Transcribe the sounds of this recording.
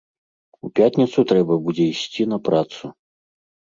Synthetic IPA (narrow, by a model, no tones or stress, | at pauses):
upʲatʲnʲit̪sut̪ɾɛbɐbud͡zʲɛisʲt͡sʲinɐpɾat̪su